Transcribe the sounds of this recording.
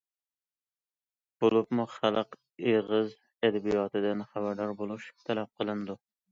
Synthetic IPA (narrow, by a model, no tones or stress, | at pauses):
b̥olˠɨpmuχælˠɨq | eʁɨz | æd̪æbijɒt̪ʰɪd̪ɪnχæbæɾd̪ɒɾbolˠuʃt̪ʰælæp̚qʰəlˠɪnd̪ʊ